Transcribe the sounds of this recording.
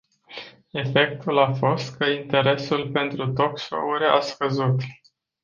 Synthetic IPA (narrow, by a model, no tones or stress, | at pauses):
e̞fe̞k̚t̪ulafo̞st̪kəint̪e̞ɾe̞sulpe̞nt̪ɾut̪o̞kʃo̰uɾʲa̰skəzut̪